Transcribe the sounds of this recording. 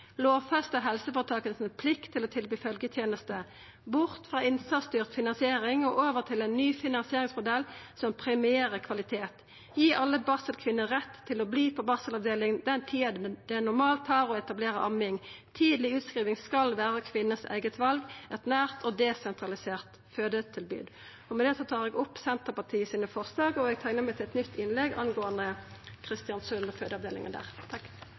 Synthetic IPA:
loːʋfɛst̪əɦɛlsəfoːʁət̪ʰɑːkənspʰlɪkt̪ʰːɪlɔt̪ʰɪlbyːfœlɡət̪ʰjeːnəst̪ə | bʊʁt̪fʁɑːɪnsɑst̪yːʁt̪fɪnɑnsɪeːʁɪŋoːʔoːʋəʁt̪ʰɪlæɪnːyːfɪnɑnsɪeːʁɪŋsmʊd̪ɛlsɔmpʰɾɛmɪeːɾəkʰʋɑlɪt̪ʰeːt̪ | jiːʔɑlːəbɑːsəlkʰʋɪnːəʁɛt̪ʰːɪlobliːpʰɔbɑːsəlɑʋd̪eːlɪŋnd̪ɛnt̪ʰiːɑd̪d̪̥ɛænʊʁmɑːlt̪hɑːɾɔɛt̪ɑbleːʁəʔɑmɪŋt̪ʰiːd̪lɪʉːt̪skɾiːʋɪŋskɑlʋæːʁəkʰʋɪnːəsæ̰ɪɡət̪ʋɑlɡɛt̪næːʁt̪ʰɔd̪ɛsɛnt̪ɾɑlɪseːʁt̪ | føːd̪ət̪ʰɪlby̰ːd̪ | ɔmɛd̪ɛsɔt̪ʰɑːʁɛɡɔpːsɛnt̪əʁpɑt̪ʰiːəsiːnəfɔʁslɑːɡɔɛɡ̚t̪ʰæɪnəmæɪt̪ʰɪlɛt̪nʏt̪ːɪnlɛɡʔɑ̰nɡoːənd̪əkʰʁɪst̪ɪɑnsʉnføːd̪əɑʋd̪eːlɪ̰ŋə̰nd̪æ̰ːʁt̪ʰɑkː

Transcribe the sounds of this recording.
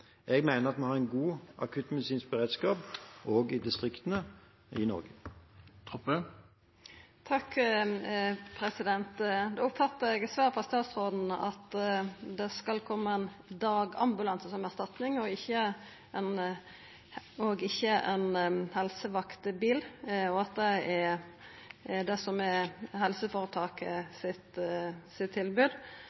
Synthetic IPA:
ɛɡmæɪnəʁɑt̪̚mɛhɑʁɛɪnɡuːʔɑ̰kʰʉt̪mɛd̪ɪsiːnsbəʁeːd̪skɑːpoːɡɪd̪ɪst̪ʁɪkt̪ənə | ɪnɔ̰ʁɡət̪ʰɔpə | t̪ʰɑk | pʰɾɛsɪd̪ɛnt̪d̪ɛʊpfɑt̪ːəɛɡɛt̪sʋæːʁfʰɔɑst̪ɑːt̪sʁoːd̪n̩ɑt̪d̪ɛskɑlkʰɔmːəɛn | d̪ɑːɡɑ̰mbʉlɑnsəsɔmæʁst̪ɑt̪nɪŋɔɪçːə | ɛn | ɔɡɪçːəʔɛnhɛlsəʋɑkt̪əbiːlɔɑt̪̚d̪ɛæ | d̪ɛsɔmɛhɛlsəfoːɾət̪ʰɑːkəsɪt̪sɪt̪ʰːɪlbʉːd̪

